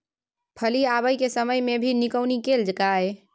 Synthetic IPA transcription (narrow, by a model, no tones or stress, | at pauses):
pʰəliaβəjkesəməjmebʱinikəwnikeld͡ʒəkaj